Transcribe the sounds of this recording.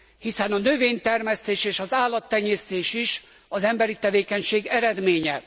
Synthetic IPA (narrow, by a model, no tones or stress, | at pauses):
hisɛnɒnøveːɲt̪ɛrmɛst̪eːʃeːʃɒzaːlːɒt̪ːɛɲːeːst̪eːʃiʃ | ɒzɛmbɛɾit̪ɛveːkɛɲʃeːɡɛɾɛd̪meːɲɛ